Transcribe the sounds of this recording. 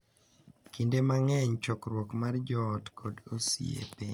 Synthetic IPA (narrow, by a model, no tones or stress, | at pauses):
kindemaŋɛɲt͡ʃɔkɾwokmard͡ʒɔtkʰɔdosḭḛpeɲ